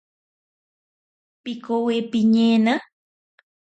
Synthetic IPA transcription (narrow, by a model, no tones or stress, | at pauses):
pikowepiɲena